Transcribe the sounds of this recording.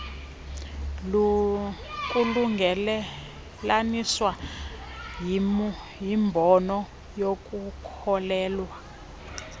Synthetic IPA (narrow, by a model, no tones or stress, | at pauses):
u | kʼuluŋɛ | laniswa | jimbʱɔnɔ | jok̬ʼukʰɔlɛːlwa